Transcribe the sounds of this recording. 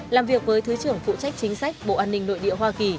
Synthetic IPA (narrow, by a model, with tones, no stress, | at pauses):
laː˨˩mvi˨˩ək̚vəː˨˦jt̪ʰɨ˨˦t͡ɕɨ˨˧˩əŋfṵ˧˨t͡ɕa˦˥jk̟̚t͡ɕï˨˦ŋ̟sa˦˥jk̚ɓo̰˧˨ʔaː˧nːï˧ŋ̟no̰˧˨jɗḭ˧˨əɦwaː˧ki˨˩